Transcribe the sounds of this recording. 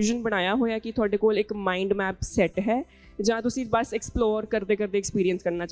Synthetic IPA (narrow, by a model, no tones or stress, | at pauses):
ɪʒənbəɽ̃aːjaːɦoːaːkɪt̪ʰʊaːɖeːkoːlɪkmaːĩɳɖmɛːpsɛʈɦɛː | d͡ʒãːt̪ʊsĩːbəsɛksploːɾkəɾd̪eːkəɾd̪eːkspiːɾiənskəɾnaːt͡ʃ